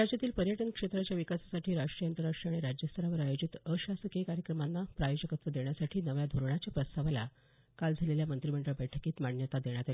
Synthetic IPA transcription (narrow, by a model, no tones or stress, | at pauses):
ad͡ʑjat̪iːlpəɾjəʈənkʂet̪ɾat͡ɕjaʋikasḁsaʈʰiːɾaʂʈɾijəant̪əɾaʂʈɾiaɽ̃iɾad͡ʑjəst̪ʰəɾaʋəɾajod͡ʑit̪əɕasəkekaɾjəkɾəmanːapɾajod͡ʑəkət̪ʋəd̪eɳjasaʈʰiːnəʋjad̪ʱoɾɳat͡ɕjapɾəst̪aʋala̰ | kald͡zʱaleljamənt̪ɾiməɳɖəɭbɛʈʰəkiːt̪maɳjət̪ad̪eɳjat̪al